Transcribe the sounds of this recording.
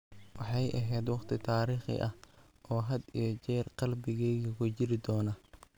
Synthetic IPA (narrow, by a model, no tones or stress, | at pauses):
wɑħɑjʔɐɦɛːd̪wɑqt̪ʰɪt̪ʰaːɾiːχɪ̰ʔɐh | ʔɔːɦɐd̪ijɔt͡ʃɛːrqɑlbɪɣɛːɣɐkʰʊt͡ʃɪɾɪd̪ɔːnɐ